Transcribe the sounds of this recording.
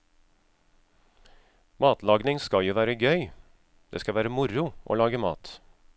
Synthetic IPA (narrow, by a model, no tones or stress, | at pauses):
mɑːt̪lɑːɡnɪŋskɑjuːʋæːɾəɡœʏ | d̪̥ḛːskɑʋæːɾəmʊɾʊʔo̰ːlɑːɡəmɑ̰ːt̪